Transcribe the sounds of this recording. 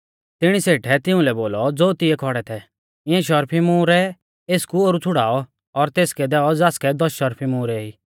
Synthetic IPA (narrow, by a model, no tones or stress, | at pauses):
t̪ɪɽ̃iseːʈʰɛt̪ɪʊ̃lɛboːlɔd͡zoːt̪ɪɛkʰɔɽɛt̪ʰɛ | ɪ̃ɛ̃ʃɔɾpʰimũːɾɛ | eːskuoːɾut͡sʰʊɽaːɔ | ɔɾt̪eːskɛd̪ɛːɔd͡zaːskɛd̪ɔsʃɔɾpʰimʊ̃ːɾɛiː